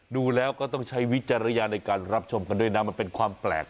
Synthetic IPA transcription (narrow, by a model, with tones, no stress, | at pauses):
duː˧lɛː˦˥wkɔː˥˩t̪ɔ˥˩ŋt͡ɕʰa˦˥jwi˦˥t̪̚t͡ɕa˧ɾa˧jaː˧na˧jkaː˧nɾa˦˥p̚t͡ɕʰo˧mka˧ndu˥˩əjna˦˥ma˧npe˧nkʰwaː˧mplɛ̰ː˨˩k̚